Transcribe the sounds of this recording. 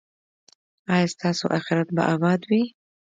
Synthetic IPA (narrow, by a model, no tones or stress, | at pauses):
ɑjɑst̪ɑso̰ʔaxɪɾat̪̚ba̰ʔabɑd̪wi